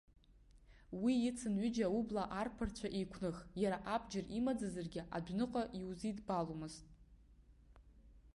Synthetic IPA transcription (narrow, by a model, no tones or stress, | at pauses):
wiɪt͡sʰɨnɥʏd͡ʒaublaʔarpʰɨrt͡ɕʷʰaʔejkʷʰnɨχjaɾaʔabd͡ʒɪrimad͡zazarɡʲɪʔa̰dʷᶣnɨqʼaʔiwzidbalomɨztʼ